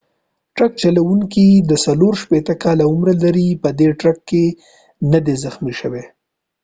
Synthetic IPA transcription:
ʈɾak̚t͡ʃalawuŋkid̪əsaloɾʃpet̪əkɑlaʊmɾalaɾipəd̪eʈɾakːe | nad̪ezəxmiʃəwe

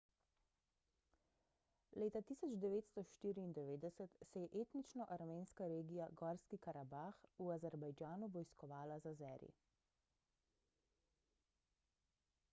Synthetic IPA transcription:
leːt̪at̪iːsɔd͡ʒd̪ɛʋeːt̪st̪ɔʃt̪iːɾiːnd̪ɛʋeːd̪ɛsɛt̪sɛjɛʔeːt̪nit͡ʃnɔʔaɾmeːnskaɾeːɡijaɡɔːɾskikaɾabaxuazɛɾbajd͡ʒaːnuʋɔjskɔʋaːlazazɛ̰ːɾḭ

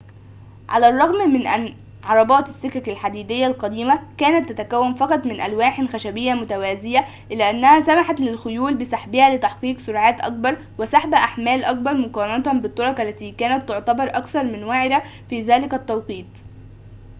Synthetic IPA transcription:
ʕa̰læːrˤːɑɣmmɪnʔæn | ʕɑɾˤɑbɑːt̪ɪsːɪkækælħad̪iːd̪ɪjːælqɑd̪iːmækæːnæt̪ːæt̪ækæwːænfɑqɑt̪ˤmɪnʔælwaːħnxæʃæbɪjːæmʊt̪æwæːzɪjæ | ʔɪlæːʔænːæhæsæmaħat̪lɪlxʊjuːlbɪsaħbɪhæːlɪt̪ɑħqiːqsʊɾʕaːt̪ʔɑ̰k̚bɑɾˤ | wɪsaħbæʔaħmæːlʔɑk̚bɑɾˤmʊqɑːɾˤɑnɑt̪ænbɪt̪ˤːɑɾˤɑkælːæt̪iːkæːnæt̪ːʊʕt̪ɑbɑɾˤʔɑkθɑɾˤmɪnwaʕɪɾæ | fiːðæːlɪkæt̪ːɑwqiːt̪ˤ

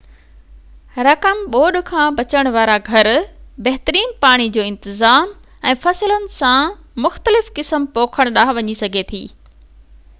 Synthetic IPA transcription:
ɾɐkəmɓoːɗ̆kʰãːbɐt͡ɕəɽ̃ʋaːɾaɡʱɐɾbɐɦɪt̪əɾiːnpaːɽ̃id͡ʑoːɪ̃nt̪ɪzaːm | ɛ̃ːfɐsɪlənɪ̆sã | mʊxt̪əlɪfkɪsəmpoːkʰəɽ̃ɗaːɦʋɐɲisɐɡʱet̪ʰḭː

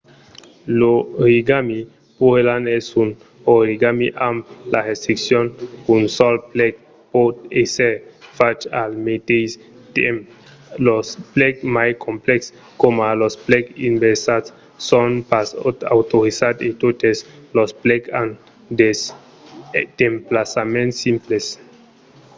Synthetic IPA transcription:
loɾiɡami | puelanɛsun | oɾiɡamiʔamlaɾest̪ɾiksjonunsɔlplɛk̚ | pɔt̪eseɾfat͡ʃa̰lmet̪ejs | t̪em | losplɛkmajkʰomplɛks | komalosplɛkimbeɾsatsː | onpasa̰wt̪oɾisat̪et̪ot̪eslosplɛkan | d̪es | d̪̥emplasamẽnt̪simples

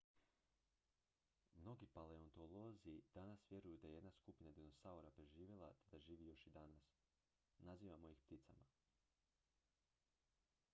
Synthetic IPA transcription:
mno̞ɡipale̞ont̪o̞lo̞ziid̪̥anasʋje̞ɾujud̪ajee̞d̪naskupinad̪ino̞sauɾapɾe̞ʒiːʋje̞lˠa̰t̪e̞d̪aʒiːʋijo̞ʃid̪anas | naziːʋamo̞jixpt̪it̪sa̰ma

